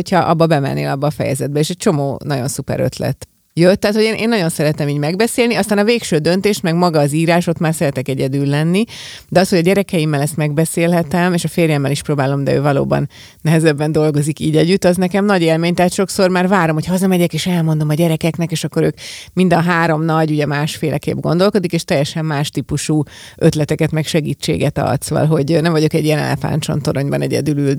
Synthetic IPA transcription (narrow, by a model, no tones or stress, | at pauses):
ocʰhɒʔɒ̰bːɒbɛmɛ̰nːḛːlɒbːɒːfɛ̰jɛ̰zɛd̪̚bɛeːʃɛc̚t͡ʃo̞mo̰ːnɒɟo̞̰nsupɛ̰ɾø̰t̪lɛ̰t̪ | jøt̪ːɛɦaːt̪ho̞ɟeːnʔḛːnːɒɟo̞nsɛɾɛt̪ɛmiːɟmɛɡbɛseːlniɒst̪aːnɒveːkʃøːd̪ønt̪eːʃmɛɡmɒɡɒːziːɾaːʃo̞t̪maːrsɛɾɛt̪ɛkɛɟɛd̪yːlːɛnːid̪ɛɒshoɟɒɟɛɾɛkɛjimːɛlɛst̪mɛɡ̚bɛseːlɦɛt̪ɛmeːʃɒfeːrjɛmːɛliʃpɾoːbaːlo̞md̪ɛ̰ø̰ːvɒlo̰ːbɒ̰nː | ɛɦɛzɛbːɛnd̪o̞lɡo̞zikiːɟɛɟːyt̪ːɒznɛkɛmnɒɟeːlmeːɲt̪ɛɦːt̪ʃo̞kso̞rmaːrvaːɾomhocʰhɒzɒmɛɟɛkeːʃɛlmo̞nd̪o̞mɒɟɛɾɛkɛknɛkeːʃɒkːo̞ɾøːkmind̪ɒɦaːɾo̞mnɒɟuɟɛmaːʃfeːlʔɛ̰kḛːbɡo̞nd̪o̞lko̞d̪ikeːʃt̪ɛjːɛʃɛmːaːʃt̪iːpuʃuː | ʔøt̪lɛt̪ɛkɛt̪mɛkʃɛɡiːt͡ʃːḛːɡɛt̪ɒ̰lt̪soːʋɒ̰lɦo̞ɟnɛmvɒɟo̞kɛɟijɛnɛ̰lɛ̰fa̰nt͡ʃo̰nt̪oɾoɲbɒnɛ̰ɟɛ̰d̪ylyl